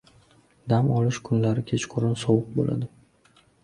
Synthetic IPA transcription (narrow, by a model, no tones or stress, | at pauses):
d̪amɒlɪʃkʰʊnlaɾɪkʲʰet͡ʃqʰʊɾɪnsɒwʊq̚bo̰lʔa̰d̪ɪ